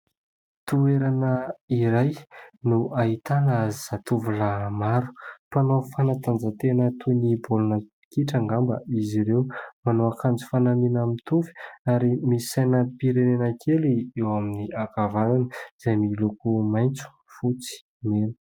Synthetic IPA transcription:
t̪ueɾanəiɾajnuaɦit̪anzizat̪uvulamaɾu̥panofanat̪and͡zət̪enət̪ʰunibulunə | kiʈ͡ʂaŋɡambə̰iziɾewmanoakand͡zu̥fanaminamit̪ufi̥aɾimisajnəpiɾenenakʰeliewaminiakavananəz̥ajmilokumajnt͡su̥ | fut͡si̥ | menə̥

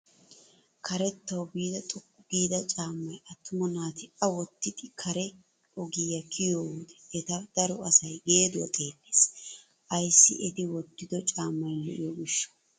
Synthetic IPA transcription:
kʰɐɾɛt̪ːɐwbiːd̪ɐt̪ʼʊkːʊɡiːd̪ɐt͡ʃʼaːmːɐjɐt̪ːʊmɔnaːt̪ɪɐwɔt̪ːɪd̪ɪkʰɐɾɛ | ɔɡijɐkʰɪjowuːd̪ɛ̥ɛt̪ɐd̪̥ɐɾɔɐsɐjɡe̞ːd̪ʊwɐt̪ʼeːlːeːs | ʔɐjsːɪ̰ʔɛt̪ɪwɔt̪ːɪd̪ɔt͡ʃʼaːmːɐjlɔ̰ʔjoɡɪʃːɔ̥

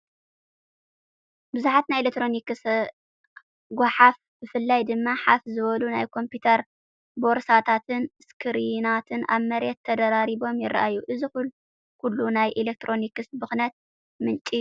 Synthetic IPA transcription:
bɨzuħat̪najlek̚t̪ɾo̞nikɨs | ɡʷaħaf | b̥ɨfɨlːajd̪ɨmːaħafzɨβɐlunajkʰo̞mpiut̪ʰɐɾ | bo̞ɾsat̪ʰat̪ʰɨnskʰɨɾinat̪ʰɨna̰βmɐɾɛt̪ʰːɐd̪ɐɾaɾiβo̞mjɪra̰ʔajːuʔɨzixul | kʰulːunajʔilek̚t̪ʰɾo̞nikɨsbɨxnɐt̪̚ | mɨnt͡ʃʼi

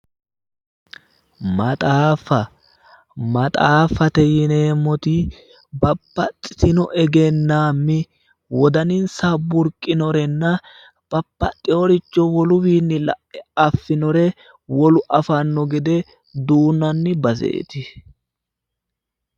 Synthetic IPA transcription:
mɐt̪ʼaːfɐ | mɐt̪ʼaːfɐt̪ɛjɪneːmːɔt̪ɪ | bɐpːɐt͡sʼːɪ̥t̪ɪnɔʔɛɡɛnːaːmːɪ | wɔd̪ɐnɪnsɐbʊɾkʼːɪnɔɾɛnːɐ | b̥ɐpːɐt̪ʼːɪɔɾɪt͡ʃːɔwɔlʊwiːnːɪlɐ̰ʔɛɐfːɪnɔɾɛ | wɔlʊʔɐfɐnːɔɡɛd̪ɛ | d̪uːnɐnːɪbɐzḛːt̪ɪ

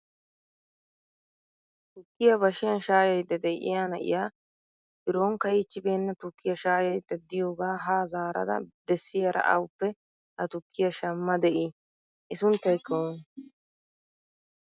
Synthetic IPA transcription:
t̪ʊkːɪjɐbɐʃɪjɐnʃaːjɐjd̪ːɐd̪ɛʔɪ̰jaːnɐʔɪ̰jaː | ʔɪɾoːŋkɐjɪt͡ʃːɪbe̞ːnːɐt̪ʊkːɪjɐʃaːjɐjd̪ːɐd̪ɪjoːɡaːɦaːzaːɾɐ̰d̪ɐ̰d̪ɛsːɪjɐɾʔɐ̰ʔɐ̰wʊpːɛ | hɐt̪ʊkːɪjɐʃɐmːɐd̪ɛʔi | ʔɪsʊnt̪ːɐjkɐwʊn

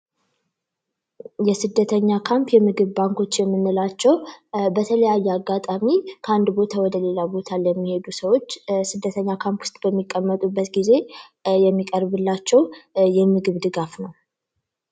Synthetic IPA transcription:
jɛsɨd̪ːət̪ʰəɲːakʰampjɛmɨɡɨβbaŋko̞t͡ʃːjɛmːɨnːɨlat͡ʃːɛwbət̪ʰələjajːɛaɡːat̪ʼamikʰəand̪bo̞t̪ʰawɔd̪əle̞labo̞t̪ʰalɛmːihe̞d̪usəwo̞t͡ʃːsɨd̪ːət̪ʰəɲːakʰampwʊst̪ʼbəmːikʼːəmːət̪ʼubːət̪ɡize̞ | jɛmːikʼəɾbɨlːat͡ʃːɛwjɛmɨɡɨβd̪ɨɡafnəw

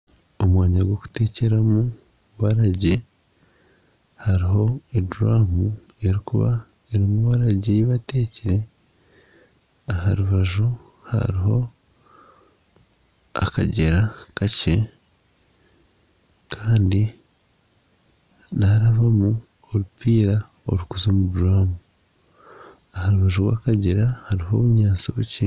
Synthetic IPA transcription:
o̞mwaːɲaɡwo̞ku̥te̞ːce̞ɾamu | βaɾaɟe | haɾiɦo̞eduɾaːmu | e̞ɾikuβa | eɾimuβaɾaɟeβateːceɾe̞ | ahaɾuβaʒu | ha̰ɾiho̞ | a̰ka̰ɟeɾakace | kʰaːndi | naɾaβamu | oɾupiːɾa | o̞̰ɾukuzoːmubuɾaːmu | ahaɾuβaʒuɾwa̰ːkaɟeɾahaɾiho̞ːβuɲaːt͡soβuci

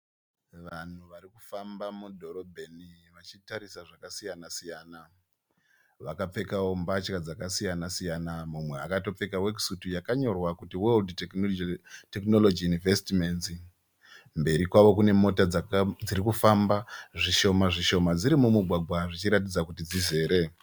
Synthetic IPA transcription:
ʋan̤uʋaɾikufambamudʱo̞ɾo̞bʱeniʋat͡ʃitaɾisaʐakasijanasijana | ʋakap͡fe̞kawo̞mbat͡ʃkad͡zakasijanasijanamumwe̞akato̞p͡fe̞kawek̬sutujakaɲo̞rwakutiweldt | tekno̞lo̞d͡ʒijunive̞stimenz | mbe̞ɾikwaʋo̞kune̞mo̞tad͡ziɾikufambaʐiʃo̞maʐiʃo̞mad͡ziɾimumuɡʱwaɡʱwaʐit͡ʃiɾat̬id͡zakutid͡zize̞ːɾe̞

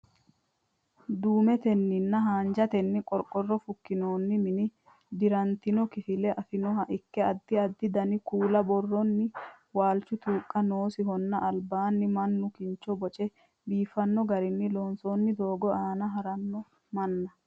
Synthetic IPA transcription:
d̪uːmɛt̪ɛnːɪnːɐɦaːnd͡ʒɐt̪ɛnːɪkʼɔɾkʼːɔrːɔfʊkːɪnoːnːɪmɪnɪ | d̪ɪɾɐnt̪ɪnɔkɪfɪlɛʔɐfɪnɔɦɐʔɪkːɛɐd̪ːɪɐd̪ːɪd̪ɐnɪkuːlɐbɔrːɔnːɪ | waːlt͡ʃːʊt̪uːkʼːɐno̞ːsɪɦɔnːɐʔɐlbaːnːɪmɐnːʊkɪnt͡ʃːɔbɔt͡ʃʼɛ | biːfɐnːɔɡɐɾɪnːɪloːnsoːnːɪd̪o̞ːɡɔaːnɐɦɐɾɐnːɔ | mɐnːɐ

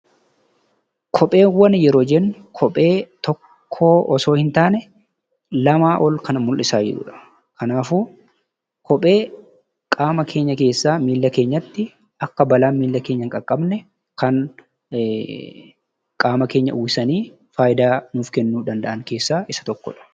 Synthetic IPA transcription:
kʰɔpʼe̞ːwɐnjɛɾoːd͡ʒɛnːʊkʰɔpʼe̞ːt̪ɔkʰː | oːʔɔso̞ːhɪnt̪aːnɛ | lɐmaːʔɔlkɐnmʊlʔɪsaːd͡ʒɛ̰ᶑʊ̰ᶑɐ̥ | kʰɐnaːfuː | kʰɔpʼe̞ː | kʼaːmɐkʰe̞ːɲːɐke̞ːsːaːmiːlːɐke̞ːɲːɐt̪ːɪ | ɐkːɐbɐlaːnmiːlːɐke̞ːɲːɐŋkʼɐkʼːɐbnɛ | kɐn | kʼaːmɐke̞ːɲːɐ̰ʔuːɪsɐniː | faːjɪd̪aːnuːfkɛnːuːᶑ̪ɐnd̪ɐʔɐŋke̞ːsːaːɪsɐ̥t̪ɔkːɔ̰ᶑɐ̥

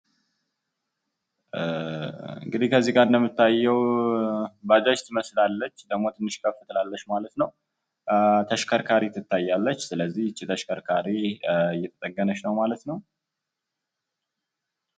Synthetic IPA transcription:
ɨ̰ŋɡɨd̪ikʰəzːiɡaɾnd̪əmːɨt̪ʰːajːɛw | bad͡ʒat͡ʃt̪ʰɨməslalːət͡ʃːd̪əɡmo̞t̪ʰɨnːɨʃkʰəfːɨt̪ʼlalːəʃmalət̪nəw | t̪ʰəʃkʰəɾkʰaɾit̪ʰɨt̪ʰːajːalːət͡ʃːsɨləzːihɨt͡ʃːit̪ʰəʃkʰəɾkʰaɾijɛt̪ʰət̪ʼəɡːənəʃnəwmalət̪nəw

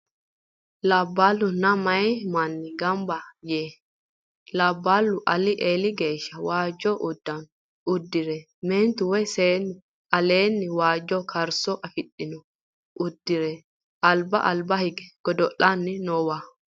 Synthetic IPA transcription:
lɐbːalːʊnɐmɐjmɐnːɪɡɐmbɐjeː | lɐbːalːʊʔɐlɪʔeːlɪɡe̞ːʃːɐwaːd͡ʒːɔʔʊd̪ːɐn | ʊd̪ːɪɾɛ | meːnt̪ʊwɔjseːnːɪ | ɐleːnːɪwaːd͡ʒːɔkʰɐɾsɔʔɐfɪɗːɪnɔ | ʔʊd̪ːɪɾɛ | ʔɐlbɐ̰ʔɐlbɐhɪɡɛ̥ɡ̥ɔd̪ɔʔːɐnːɪnɔwa

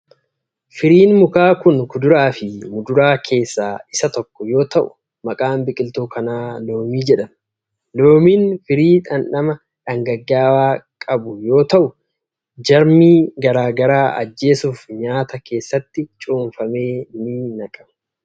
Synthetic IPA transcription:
fɪɾiːnmʊkaːkʊnkʊd̪ʊɾaːfɪmʊd̪ʊɾaːkʰe̞ːsːaːɪsɐt̪ɔkːɔjo̞ːt̪ɐʔʊ̰ | mɐkʼaːmbɪkʼɪlt̪uːkʰɐnaːlo̞ːmiːd͡ʒɛᶑɐm | loːmiːnfɪɾiːᶑɐnᶑɐmɐ | ᶑɐŋɡɐɡːaːwaːkʼɐbʊjo̞ːt̪ɐʔʊ | d͡ʒɐɾmiːɡɐɾaːɡɐɾaːɐ̰d͡ʒːe̞ːsʊfɲaːt̪ɐkʰe̞ːsːɐt̪ːɪt͡ʃʼuːnfɐme̞ːnɪnɐkʼɐ̥mɐ̥

